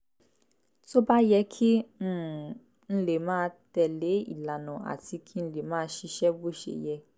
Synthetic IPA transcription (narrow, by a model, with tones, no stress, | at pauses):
to˦ba˦jɛ˧˦kʰĩ˦˨ | n̩˧le˨mãː˦tɛ˧˨le˨˦ḭ˨la˨nã˨a̰˨ti˧kʰi˦ñ̩˦˧˦le˨mãː˦ʃi˧ʃɛ˦bo˦ʃḛ˨jɛ˧